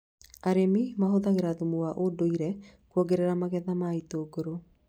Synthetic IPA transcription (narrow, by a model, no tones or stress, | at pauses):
aɾemimaɦoðaɣeɾaðumuwaʔodoiɾɛkwɔɡeɾeɾamaɣɛðamaitoɡoɾo